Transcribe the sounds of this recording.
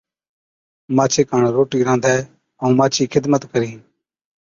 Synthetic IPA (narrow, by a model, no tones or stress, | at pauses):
maːt͡ʃʰeːkaːɳɾoːʈiːɾãːnd̪ʱɛː | ə̃ːmaːt͡ʃʰiːkʰɪd̪mət̪kəɾiː